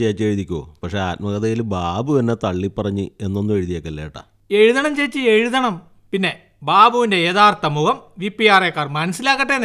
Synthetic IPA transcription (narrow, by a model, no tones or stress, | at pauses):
ejːt͡ɕːeɻuðikʲːuo̰ːpɐkʂeaːt̚mɐɣɐðɐjilbaːbuɐnːet̪ɐɭːipːɐrɐɲːɨe̞nːo̞nːume̞ɻuðijoːkːeɐlːeːjiʈːa̰ | e̞ɻuðɐɳɐmt͡ɕe̞jt͡ɕːɨe̞ɻuðɐɳɐm | pinːe̞ | baːbuʋinde̞jeðaːrt̪ɐmuɣɐmʋipːijaːrekːaːrmɐnɐsilaːkːɐʈːen